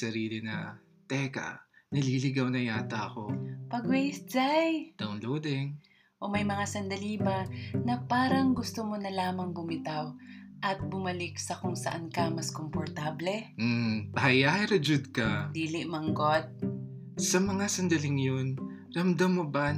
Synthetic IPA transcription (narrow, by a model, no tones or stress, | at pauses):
sɐɾiːlɪnɐ̰ | t̪ɛkɐ̰nɐliːlɪɡawnɐjaːt̪ɐɐkopɐɡwɛjsd͡ʒajd̪̥awnlowd̪ɛŋ | ʔomɐjmɐŋasɐnd̪ɐlibɐnɐpaːɾɐŋɡʊst̪omonɐlaːmɐŋbʊmɪt̪aw | ʔɐt̪̚bʊmɐlɪk̚sɐkʊŋsɐ̰ʔankɐmɐskompoɾt̪ablɛm̩pɐhɐjaːhɪɾɐd͡ʒʊd̪̚kɐd̪iːlɪʔmɐŋɡo̞t̪̚ | sɐmɐŋasɐnd̪ɐlɪŋjon | ɾɐmd̪amːoba